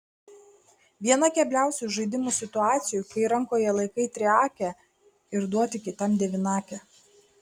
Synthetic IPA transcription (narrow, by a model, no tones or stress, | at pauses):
ʋʲiɛnɐkʲɛbʲlʲæˑʊsʲuˑʒɐɪd̪ʲɪmuːsʲɪt̪ʊɑːt̪sʲɪjʊkɐɪɾɐŋkoːjɛlˠɐɪkɐɪt̪ʲɾʲɪɑːkʲɛ | ɪɾd̪uɔt̪ʲɪkʲɪt̪ɐmd̪ʲɛʋʲɪnɑːkʲɛ